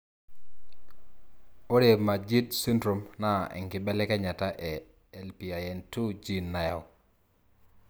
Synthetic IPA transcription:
o˦ɾe˨ma˨d͡ʒi˦tsi˦ndɾo˨mna˦ɛ̰˨ŋkɪ˨bɛ˦lɛ˦kɛ˦ɲa˨ta˦ʔɛ˨ | ɛ˨lpi˨a˨jɛ˨ntu˦d͡ʒi˦nːa˨ja̰˨w

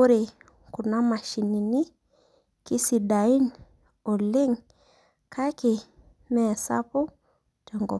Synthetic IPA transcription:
u˦ɾe˨ | ku˨na˦ma˨ʃi˨ni˨ni˦ | ki˦si˨da˨i˦n | ɔ˨le˦ŋ | kʰa˦ki˨ | mɛ˦˨sa̰˦pu˦ | d͡ʒɔ˨ŋɡɔ̰˨

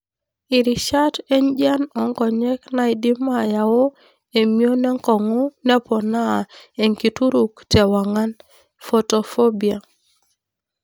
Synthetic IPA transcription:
ɪ˨ɾi˨ʃa˦te˦ɲd͡ʒa˦nɔ˨ŋkɔ˨ɲɛ˦kna˦i˨di˦ma˦ja˨o˦ | e˨mio˦nɛ˦ŋkɔ˨ŋo˦nɛ˦pɔ˨na˦˨e˨ŋki˨tu˦ɾu˨ktɛ˨wa˨ŋa˦n | fo˨to˨fo˦bi˨a˨

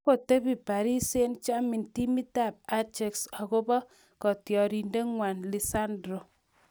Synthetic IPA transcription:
ko˨te˦pi˨pa˨ɾi˦se˦nt͡ʃa˦mi˨nti˦mi˦ta˦˨p̚a˦t͡ʃe˨ksa˨ko˦bɔ˦ | kɔ˨tjɔ˨ɾi˨nde˦ŋwa˨nli˨sa˦ndɾo˨

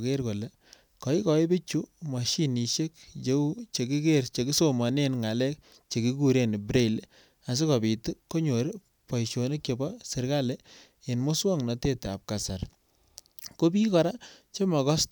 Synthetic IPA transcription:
ke˦ɾko˨le˦ | kɔ˨i˦kɔ˨i˦be˦t͡ʃu˦ma˨ʃi˦ni˨ʃe˦k̚t͡ʃe˦u˦t͡ʃe˨ki˦ke˦ɾt͡ʃe˨ki˦so˦ma˨ne˦nŋa˨lɛ˦k̚ | t͡ʃe˨ki˦ku˦ɾe˨n˨bɾe˦˨l | a˨s̬e˦kɔ˨bi˨tu˦kːo˦ɲo˨ɾ | pɔ˨jʃo˨ne˦kje˨bɔ˦sɪ˨ɾka˦le˦ | e˨nmʊ˦swɔ˦ŋnɔ˨te˦ta̰˨p̚ka˨sa˨ɾ | ko˦bi˦kɔ˨ɾa˦t͡ʃe˦mɔ˨kɔ˦s

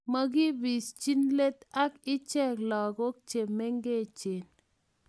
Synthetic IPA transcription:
ma˦˨ɡi˦bi˨st͡ʃi˦nle˦t̪a˦kɪ˦t͡ʃɛ˦˨klɔ˨ɡo˦k̚t͡ʃe˨mːɛ˦ŋɡe˦˨t͡ʃe˨n

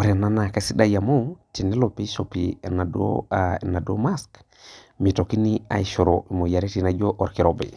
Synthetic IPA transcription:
o˨ɾe˨na˦na˨ka˦si˦da˦ja˨mo˦ti˨ne˦lope˦sopina˨do̰e˨na˨do̰˦mask | mi˨toki˦ni˦a̰˨iʃoɾoi˨mo˨ja˨ɾe˦tina˨ɟo˦ʔoɾki˨ɾobḛ˨

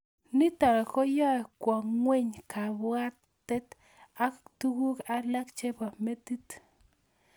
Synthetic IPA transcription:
ni˦t̪a˨ɾɔ˨ko˦jɔ˦˨kwa˨ŋwe˦ɲka˨bwa˦tː | ɛ˦t̪ | a˦kt̪u˦ɡu˦ka˦la˦kt͡ʃe˦pa˨me˦t̪i˦t̪

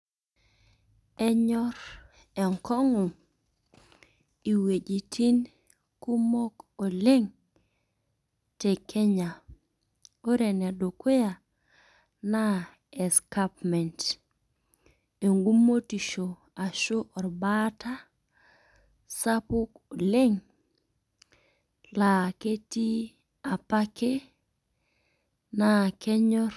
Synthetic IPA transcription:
ɛ˦ɲɔ˦ɾ | ɛ˨ŋkɔ˦ŋu˨m | i˨we˨d͡ʒi˨tʰi˦n | ku˦mo˦ko˨lɪ˦ŋ | te˨kʰɛ˦ɲa˨ | o˦ɾɛ˨na˨do˨ko˦ja˨ | na˦ | e˨ska˦pmɛ˨nt | e˨ŋɡu˦mːo˦ti˨ʃo˨ | a˨ʃo˦ʔɔ˨ɾba˦ta˦ | sa˦pu˦ko˨le˦ŋ | la˨ke˦ti˦ | a˨pa˦ke˦ | na˨kɛ˦ɲɔ˦r

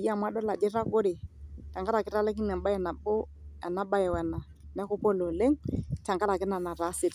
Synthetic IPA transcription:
ji˦a˦˨mwa˦ɗɔ˦la˨d͡ʒɛ˦ɾa˦kʊ˦ɾɪ˨ta˨ŋɡa˦ɾa˨kɪ˦ɾa˦lɛ˦ki˦nɛ˨ɓa˦jɛ˨na˨bo˦ | a̰˨na˦ɓa˦jɛ˨wɛ˨na˨ | nɛ˦kʊ˦pɔ˦lo˨le˦ŋta˨ŋɡa˦ɾa˨kɪ˦na˨na˨ɾa˨˦sɪ˨t

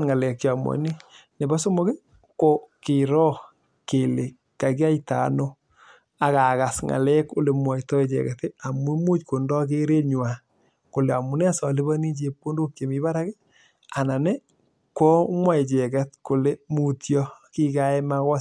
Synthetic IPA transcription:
nŋa˨lɛ˨kja˨mwɔ̰˨ni˦ | ne˨ba˦so˦mo˦ke˦ | ko˨kɪ˨ɾɔ˦ | ke˨le˨ | kːa˨k̬i˦a˦ita̰˨no˦ | a˨ka˨ka˨sŋa̰˨lɛ˦ko˦le˨mwa˨i˨tɔ˦e˨t͡ʃɛ̰˨kɛ˨te˦a˨mu˦mu˦t͡ʃko˨ndɔ˦k̬e˦ɾe˦ɲwa˨ | ko˨le˨a˨mu˨nɛ˦a˦sɔ˨le˦ba˦ni˦t͡ʃe˨pːo˦ndo˦kje˨mi˨ba˦ɾa˦ɡe˦ | a˨na˨ne˦ | kɔ˦mwa˦e˨t͡ʃɛ˨ka˦tko˨le˦mu˨tjɔ˦ki˦ka˦ɛ˦ma˦kɔ˦

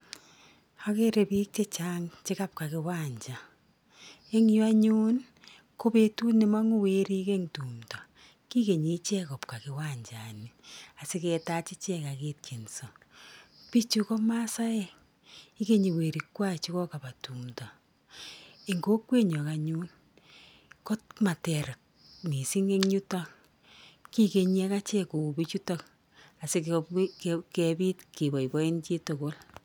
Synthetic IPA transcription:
ha˦ke˦ɾe˨pi˦k̚t͡ʃe˦t͡ʃa˦ŋt͡ʃɪ˦ka˦p̚ka˨kɪ˨wa˦˨ɲt͡ʃa˨ | e˦ŋju˦a˦ɲu˦n | ko˦pe˦tu˦ne˨ma˦ŋo˦we˦ɾi˦ke˦ŋtu˨mta˨ | ki˦ke˨ɲi˨˦t͡ʃɛ˦kɔ˨p̚ka˨kɪ˨wa˦˨ɲd͡ʒa˨ni˨a˨sɪ˦kɛ˨ta˦t͡ʃi˦t͡ʃɛ˦ka˨keː˦t̚kʰe˨nso˨ | pi˦t͡ʃu˦kɔ˦ma˦sa˦ɛ˨ | i˦ke˦ɲi˨we˨ɾi˨kwa˦˨t͡ʃi˦kɔ˦ka˨ba˨tu˨mta˨ | e˨ŋɡo˦kwe˦ɲɔ˨ka˨ɲu˦n | ko˦t̚ma˨tɛ˨ɾa˨k̚ | ni˨si˦ŋe˦ŋɲu˦ta˦k | ki˦ke˨ɲɛ˦ka˦t͡ʃɛ˦ko˨bi˦t͡ʃu˦tɔ˦k | a˨si˦k | kɛbi˦tke˨bɔ˨i˨bɔ˦i˦nt͡ʃe˦to˨ko˦l

